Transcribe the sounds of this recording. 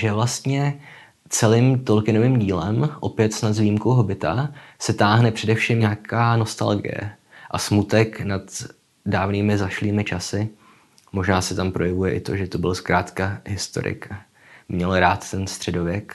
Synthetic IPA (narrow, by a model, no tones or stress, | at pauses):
ʒɛvlast̪ɲɛ | t͡sɛlɪmt̪olkɪnovɪːmɟiːlɛmʔo̞pjɛt̪snat̪zvijimkowɦo̞bɪt̪asɛt̪aːɦnɛpr̝̥ɛdɛfʃimɲakʰaːno̞st̪a̰lɡɪ̰jɛ̰ | ʔasmut̪ɛknat̪ | daːvniːmɪzaʃliːmɪt͡ʃasɪ | mo̞ʒnaːsɛt̪ampɾo̞jɛvujɛʔɪt̪o̞̰ʒɛt̪o̞bɪlskɾaːt̪kaɦɪst̪o̞̰ɾɪ̰k | mɲɛlɾaːt̪ːɛnst̪r̝̥ɛdo̞vjɛk